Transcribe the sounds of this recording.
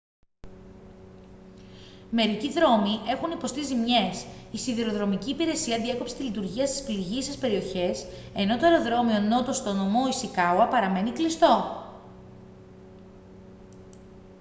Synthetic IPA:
me̞ɾiciðɾo̞miʔe̞xunipo̞st̪izimɲe̞sisiðiɾo̞ðɾo̞miciːpiɾe̞siɐðie̞ko̞pse̥t̪ilit̪uɾʝiɐst̪ispliɾʝisespe̞ɾio̞çe̞se̞no̞t̪oeɾo̞ðɾo̞mio̞no̞t̪o̞st̪o̞no̞mo̞isikɐuɐpɐɾɐme̞niklist̪o̞

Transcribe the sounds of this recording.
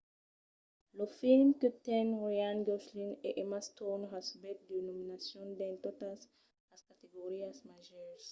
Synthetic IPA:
lofilmkət̪ɛ̃nɾoãnɡɔslineʔemast̪ɔnɦasbɛt̪̚d̪enominasjɔ̃nd̪ẽnt̪ot̪as | laskat̪eɡoɾiasmaʒɛɾs

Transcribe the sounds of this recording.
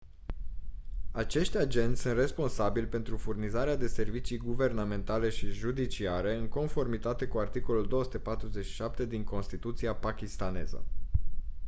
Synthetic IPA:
at͡ʃe̞ʃt̪ʲad͡ʒe̞nt̪ʲsunt̪re̞spo̞nsabilʲpe̞nt̪ɾufurnizaɾead̪e̞se̞rvit͡ʃijɡuve̞rname̞nt̪ale̞ʃiʒud̪it͡ʃiaɾe̞ɨŋko̞nfo̞rmit̪at̪e̞kuart̪iko̞luld̪o̞osu̥t̪e̞pat̪ɾuze̞t͡ʃʃi̥ʃap̚t̪e̞d̪iŋko̞nst̪it̪ut̪siapakʲist̪ane̞̰zə̰

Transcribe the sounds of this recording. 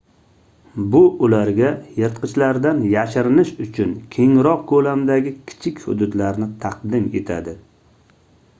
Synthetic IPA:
bʊʔʊlaɾɡʲajɨɾt̪qʰɨt͡ʃlaɾd̪anjaʃɪɾɪnɪʃʊt͡ʃʰʊnkʲʰe̞ŋɾɒq̚kʰolamd̪aɡʲɪkʲʰɪ̥t͡ʃʰɪkʲhʊ̰d̪ʊd̪laɾnɪt̪ʰɑqd̪ɪme̞t̪ʰa̰d̪ɪ

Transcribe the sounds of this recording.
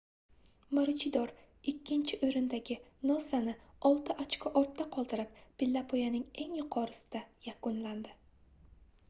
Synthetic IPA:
maɾɪt͡ʃʰɪd̪ɒɾ | ɪkʲʰːɪnt͡ʃʰɪʔɵɾɪnd̪aɡʲɪnɒsanɪɒlˠt̪ʰɪʔat͡ʃkʰʲɪʔɒɾt̪ʰːaqʰɒlˠd̪ɪɾɪp̚pɪlːapʰojanɪŋe̞ŋjʊqʰɒɾɪsɪ̥d̪̥ajakʊnland̪ɪ

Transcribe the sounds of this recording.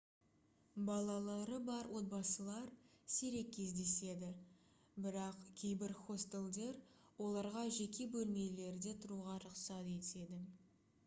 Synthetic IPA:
bɑlˠɑlˠɑɾəbɑɾwo̞t̪̚bɑsəlˠɑɾseɾe̞kʲʰːe̞zd̪e̞se̞d̪ɪ | bɪɾɑqkʲʰe̞jbɪɾχo̞st̪elˠd̪e̞ɾ | wo̞lˠɑɾʁɑʒe̞kʲe̞bɵlme̞le̞ɾd̪e̞t̪ʰʊɾuʁɑɾʊqsɑt̪e̞t̪e̞d̪ɪ

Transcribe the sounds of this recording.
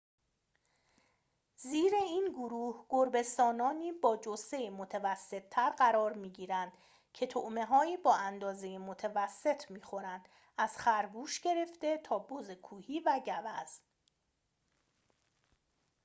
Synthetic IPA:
ziːɾe̞iːnɡoɾuːhɡ̥oɾbe̞st̪ɒːnɒːniːbɒːd͡ʒose̞jimot̪ʰevæsːe̞t̪ʰːæɾɢæɾɒːɾmiːɟiːɾænd̪̥ | cʰe̞t̪ʰoʔme̞ɦɒːiːbɒːænd̪ɒːze̞jemot̪ʰevæsːe̞t̪ʰmiːxo̞ɾænd̪̥ | ʔæz̥xæɾbuːʃɟe̞ɾe̞ft̪e̞t̪ʰɒːbozekʰuːhiːvæɟævæz̥

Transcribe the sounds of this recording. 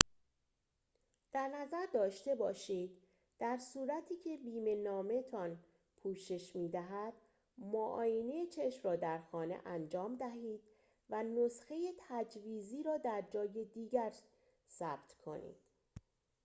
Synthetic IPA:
d̪̥æɾnæzæɾd̪ɒːʃt̪e̞bɒːʃiːd̪ | d̪̥æɾsuːɾæt̪ʰiːcʰe̞biːme̞nɒːme̞t̪ʰɒn | pʰuːʃe̞ʃmiːd̪æɦæd̪̥ | moʔɒ̰ːjeneet͡ʃʰe̞ʃmrɒːd̪æɾxɒːne̞̰ʔænd͡ʒɒːmd̪æɦiːd̪̥̚ | vænosxe̞je̞t̪ʰæd͡ʒviːziːɾɒːd̪æɾd͡ʒɒːje̞d̪iːɟæɾ | sæb̥t̪ʰkʰo̞̰nḭːd̪̥

